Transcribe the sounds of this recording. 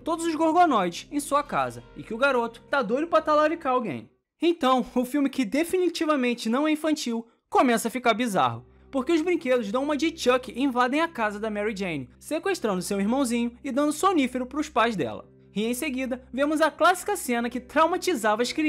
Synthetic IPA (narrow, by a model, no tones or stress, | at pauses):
t̪od̪ʊzʊzɡoɾɡonɔjd͡ʒɪsẽj̃suɐka̰zɐ̰ɪkɪʊɡaɾot̪ʊ̥t̪ad̪ojɾʊpɾat̪alaɾikaɾawɡḛ̃j̃ | ẽj̃t̪ɐ̃w̃ʊfiwmɪkɪd̪efinit͡ʃivɐmẽnt͡ʃɪnɐ̃w̃ɛĩfɐ̃nt͡ʃiw | komɛsɐfikaɾbiza̰ɦʊ | poɾkeʊzbɾĩked̪ʊʒd̪ɐ̃w̃ũmɐd͡ʒit͡ʃɐkɪʔẽvad̪ẽj̃ɐkazɐd̪ɐmɛɾid͡ʒẽjnɪsekweʃt̪ɾɐ̃nd̪ʊsewiɾmɐ̃w̃zĩɲʊɪd̪ɐ̃nd̪ʊsonifeɾʊpɾʊspajzd̪ɛ̰lɐ̰ | iẽj̃seɡid̪ɐvẽmʊzɐklasi̥kɐsẽnɐkɪt̪ɾawmat͡ʃizavɐʃkɾi